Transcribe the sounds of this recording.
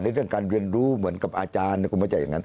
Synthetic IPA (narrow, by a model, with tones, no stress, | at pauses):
na˧jɾɯ˥˩əŋkaː˧nɾi˧ənɾuː˦mɯ˩˦ənka˨˩p̚ʔaː˧t͡ɕaː˧nːi˧˩ku˧ma˧˥˩t͡ɕa˨˩ja˨˩ŋa˦˥n